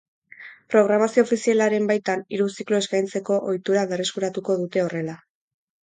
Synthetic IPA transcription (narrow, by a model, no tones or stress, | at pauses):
pɾo̞ɣɾamasio̞ːfisialaɾe̞mbajt̪aniɾusikloe̞skajnt͡se̞ko̞ʔojt̪uɾaβe̞re̞skuɾat̪uko̞ðut̪e̞o̞re̞la